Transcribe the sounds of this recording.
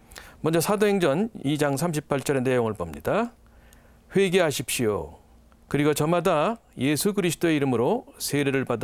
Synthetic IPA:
mwʌnɲd͡ʑʌsʰadoɦe̞ŋd͡ʑʌnid͡ʑaŋsʰamɕʰipʰaɭt͡ɕ͈ʌɾe̞ne̞joŋɯɭpʌmɲida | ɸwe̞ɡe̞ɦaɕʰip̚ɕ͈ijo̰ | kɯɾiɡot͡ɕʌmadaje̞sʰuɡɯɾisʰɯ̥t͈oe̞iɾɯmɯɾosʰeɾe̞ɾɯɭpad

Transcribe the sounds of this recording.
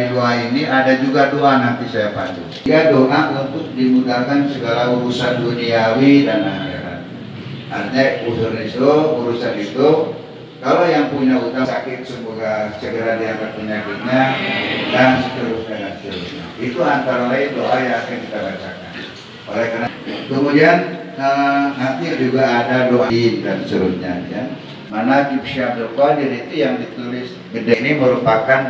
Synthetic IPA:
iduainiʔadad͡ʒuɡadoanant̪isajapandṵŋɡadoʔaʔunt̪ʊk̚dimudalkansəɡalauɾusahduuniawidanaakaɾa̰n | a̰rɲaufurnit̪ubuɾusad̪it̪u | kalojaŋpuɲaut̪asakɪt̪̚səmoɡasəɡəɾadiaɡat̪̚pəɲakɪt̪̚ɲadanst͡ʃuɾʊp̚danant͡ʃuɾṵtɲa̰it̪uant̪aɾalaidoʔajaŋakakit̪abat͡ʃakan | ʔolɛhkarnakəmudian | ənant̪id͡ʒuɡaːdaloʔaindansuɾṵɲa̰ja | manakipsiamd̪okad͡ʒadiːt̪ujaŋdit̪ulɪs | bədainiməɾupakan

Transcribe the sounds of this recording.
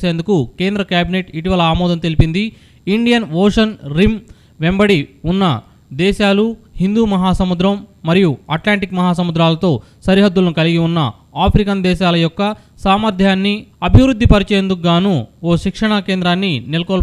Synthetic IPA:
se̞ːnd̪ukuke̞ːnd̪ɾɐkjaːbineʈiʈiʋɐlɐaːmɔːd̪ɐnt̪e̞lipind̪i | iɳɖijɐnʋoːʂɐnɾim | ʋembɐɽiunːɐ | d̪ɛːʃaːluhind̪uːmɐɦaːsɐmud̪ɾɐmːɐɾijuɐʈlaːɳʈikmɐɦaːsɐmud̪ɾaːlɐt̪o̞ː | sɐɾiɦɐd̪ːulɐnukɐliɡiunːɐ | aːpʰɾikɐnd̪ɛːʃaːlɐjɔkːɐ | saːmɐɾd̪ʱjaːnːiɐbʱiʋɾud̪ːipɐɾit͡ʃeːnd̪ukɡaːnuoːʃikʂɐɳɐkeːnd̪ɾaːnːinilɐkɔːl

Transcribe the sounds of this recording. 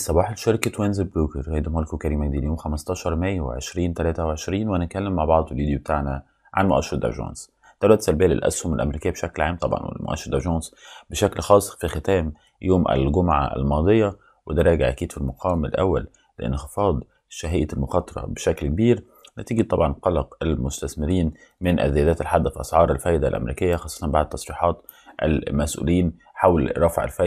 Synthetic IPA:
sˤːɑbɑːħelʃɑɾkæt̪wenzebɾuːkeɾhæjd̪molkokæɾiːmækd̪iːljoːmxæmɑst̪ˤɑːʃɑɾˤmæjːæwḛʕḛʃɾiːnt̪ælæːt̪æweʕeʃɾiːnwænæt̪̚kælːemːaʕbɑʕd̪ˤelviːd̪jobet̪aːʕnæ | ʕa̰nmoʔæ̰ʃːɑɾɑd̪ʔæ̰ʒɑ̰ːns | d̪̥æwlæt̪sælbejːælḛlʔæ̰shomælʔæ̰meɾiːkɪjːæbeʃæklʕaːmt̪ˤɑbʕɑ̰nwḛlmo̰ʔæ̰ʃːɾɑd̪ʔaʒɑːnsbeʃæklxɑːsˤfixet̪æːm | joːmʔæ̰lɡʊmʕa̰ʔæ̰lmɑːd̪ˤejːɑ | wed̪æɾˤɑːɡɪʕʔæ̰kiːd̪filmoqʰɑːwmɪlʔæ̰wːæl | lḛʔɪ̰nxɪfɑːd̪ˤ | ʃæɦejːalmʊxɑːt̪ˤɑɾˤɑ̰beʃæklkbiːɾ | næt̪iːɡit̪ˤɑbʕɑnqɑlɑqʔælmʊst̪æθmɪɾiːn | mɪnʔæ̰zːɪjæːd̪æːt̪ælħad̪ːfiʔɑsʕɑːɾˤalfæːjd̪ælʔæ̰meɾiːkɪjːaxɑːsˤːɑt̪ɑnbaʕd̪̚t̪ːɑsˤɾiːħɑːt̪ | ʔæ̰lmæsʔṵːliːn | ħawlɾˤɑfʕa̰lfæ

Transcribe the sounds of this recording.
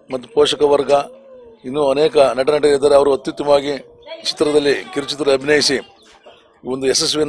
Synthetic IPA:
mɐt̪ːupoːʂɐkɐʋɐɾɡɐ | inːuːɐneːkɐnɐʈɐnɐʈ̬ɐid̪aːɾeɐʋɐɾuɐt̪jut̪jɐmɐʋaːɡi | t͡ʃi̥t̪ɾɐd̪ɐlːikiɾut͡ʃit̪ɾɐlɐbʱinɐjisi | iːond̪uesesʋin

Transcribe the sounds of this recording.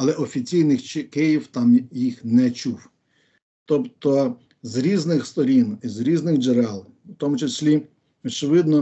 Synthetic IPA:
ɐlˠɛʔɔfʲit͡sʲijnɪxt͡ʃkɪjiwt̪ɑmjixnɛt͡ʃuw | t̪ɔpt̪ɔ | zɾʲiznɪxst̪ɔɾʲinizɾʲiznɪɣd͡ʒeɾɛlˠ | wt̪ɔmʊt͡ʃesʲlʲi | ɔt͡ʃɪʋɪd̪nɔ

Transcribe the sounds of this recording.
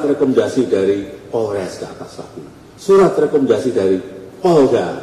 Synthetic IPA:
t̪rekɔmndasidaɾipɔlɾɛskap̪asaku | suɾat̪rekɔmɛndasid̥aɾipɔlɡa

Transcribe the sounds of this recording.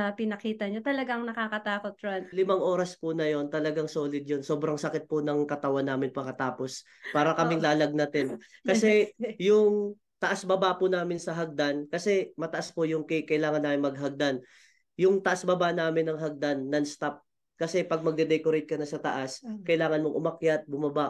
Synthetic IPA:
ɐpɪnɐkiːt̪ɐɲot̪ɐlɐɡaŋnɐkakɐt̪aːkot̪̚ɾanlɪmaŋʔo̞ːɾɐspʊnɐjo̞nt̪ɐlɐɡaŋso̞ːlɪd̪̚jonso̞ːbɾɐŋsɐkɪt̪̚pʊnɐŋkɐt̪ɐwanːaːmɪnpɐŋɐt̪aːpo̞s | paːɾɐkɐmɪŋlaːlɐɡ̚nɐt̪ɛnkɐsɛjʊŋ | t̪ɐʔasbɐbaʔpʊnaːmɪnsɐɦɐɡ̚d̪ankɐsɛmɐt̪ɐʔaspʊjʊŋkɐkɐʔɪlaːŋɐnːaːmɪnmɐɡ̚ɦɐɡ̚d̪an | jʊŋt̪ɐʔasbɐbaʔnaːmɪnːɐŋɦɐɡ̚d̪anːɐŋst̪ap̚ | kɐsɛpɐɡ̚mɐɡ̚d̪ɛd̪ɛkoɾɛjt̪̚kɐnɐsɐt̪ɐ̰ʔaskɐʔɪlaːŋɐnmoŋʔʊmɐkjat̪̚bʊmɐba

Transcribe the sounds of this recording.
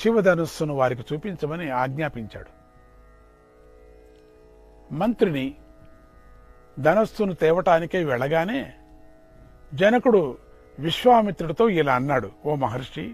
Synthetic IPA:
ʃiʋɐd̪ɐnɐst̪unuʋaːɾik̬it͡ʃuːpiɲt͡ʃɐmɐniaːɡɲaːpiɲt͡ʃa̰ːɽu | mɐnt̪ɾini | d̪ɐnɐst̪unut̪ɛːʋɐʈaːnikeːʋɛɭɐɡaːne̞ː | d͡ʒɐnɐkuɽu | ʋiʃʋaːmit̪ɾuɽɐt̪o̞ːilaːɐnːaːɽuoːmɐɦɐɾʂʈi

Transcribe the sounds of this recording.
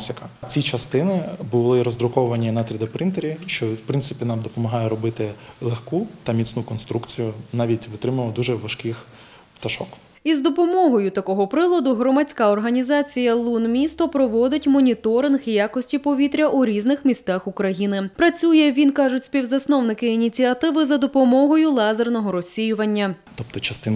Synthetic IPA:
sʲɪkɐt͡sʲit͡ʃɐst̪ɪnɪbʊlˠɪɾɔzd̪ɾʊkɔʋɐnʲinɐt̪ɾʲid̪ɐpɾɪnt̪eɾʲiʃt͡ʃɔwpɾɪnt̪sɪpʲinɑmd̪ɔpɔmɐɦɑjɛɾɔbɪt̪ɪlˠexkut̪ɐmʲit̪snukɔnst̪ɾukt͡sʲijʊnɑʋʲitʲʋɪt̪ɾɪmɐlˠɔd̪uʒɛʋɐʃkɪx | t̪ɐʃɔk | izd̪ɔpɔmɔɦɔjʊt̪ɐkɔɦɔpɾɪlˠɔd̪ʊɦɾɔmɐt͡sʲkaɔrɦɐnʲizɑt͡sʲijɐlˠunmʲist̪ɔpɾɔʋɔd̪ɪtʲmɔnʲit̪ɔɾɪnxjakɔsʲtʲipɔʋʲit̪ɾʲɐʔuɾʲiznɪxmʲist̪axukɾɐjinɪpɾɐt͡sʲujɛʋʲinkɑʐʊtʲsʲpʲiwzɐsnɔwnɪkɪinʲit͡sʲiɐt̪ɪʋɪzɐd̪ɔpɔmɔɦɔjʊlˠɑzernɔɦɔɾɔsʲːijʊʋɐnʲːɐt̪ɔp̚t̪ɔt͡ʃɐst̪ɪn

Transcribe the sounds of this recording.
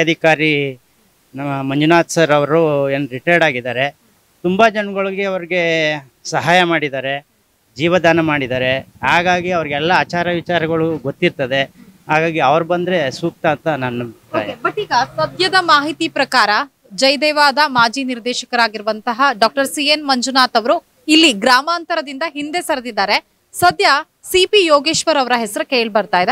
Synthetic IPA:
ɐd̪ʱikaːɾi | nɐmːɐmɐɲd͡ʒunaːt̪sɐɾɐʋɐɾɾueːnɾiʈɐɾɖaːɡid̪aːɾe̞ | t̪umbɐd͡ʒɐnmɡɐɭɐɡeɐʋɐɾiɡe̞ | sɐɦaːjɐmaːɽid̪aːɾe̞ | d͡ʒiːʋɐd̪aːnɐmaːɽid̪aːɾe̞ɦaːɡaːɡiɐʋɐɾiɡɛlːɐaːt͡ʃaːɾɐʋit͡ʃaːɾɐɡɐɭuɡot̪ːiɾt̪ɐd̪e̞ɦaːɡaːɡiɐʋɐɾubɐnd̪ɾe̞suːk̚t̪aːnt̪ɐnɐnːuɐt̪ːjebɐʈːiːɡɐsɐd̪jɐd̪ɐmaːɦit̪ipɾɐkaːɾɐ | d͡ʒɐjd̪eːʋaːd̪ɐmaːd͡ʒiniɾd̪eːʃɐkɐɾaːɡiɾuʋɐnt̪ɐɦɐɖaːk̚ʈɐɾsienmɐɲd͡ʒunaːt̪ɐʋɐɾu | ilːiɡɾaːmaːnt̪ɐɾɐd̪ind̪ɐɦind̪e̞sɐɾɐd̪id̪aːɾe̞ | sɐd̪jɐ | sipijoːɡeːʃʋɐɾɐʋɐɾɐɦɛsɐɾukeːɭbɐɾt̪aːjd̪e

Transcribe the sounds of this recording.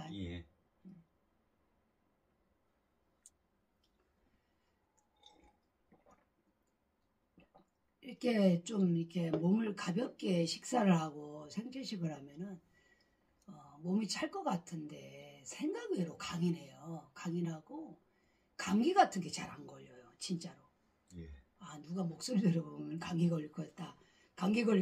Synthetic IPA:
je | ikʰe̞t͡ɕomikʰe̞momɯɭkabjʌp̚k͈e̞ɕʰi̥k̚s͈aɾɯɭɦaɡosʰeŋd͡ʑʰeɕʰiɡɯɾɦamjʌnɯn | ʌmomit͡ɕʰaɭk͈ʌk͈atʰɯnde̞sʰe̞ŋɡaɡe̞ɾokaŋinɦe̞jokaŋinɦaɡo | kaŋɡiɡatʰɯnɡe̞t͡ɕaɾhanɡʌʎojot͡ɕint͡ɕ͈aɾo | e | anuɡamok̚s͈oɾideɾʌbomjʌnkaŋɡiɡʌʎːikʰoet̚t͈a | kaŋɡiɡʌ

